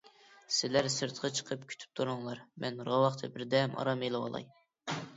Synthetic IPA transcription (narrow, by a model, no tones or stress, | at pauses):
sɪlæɾsɨɾt̪ʰqʰɑt͡ʃʰə̥qʰəpkʲʰy̥t̪ʰy̥p̚t̪ʰuɾʊŋlˠɑɾmɛnɾɑwɑχt̪ʰɛbɪɾd̪ɛmʔɑ̰ɾɑmelˠɨwɑ̰lˠɑ̰j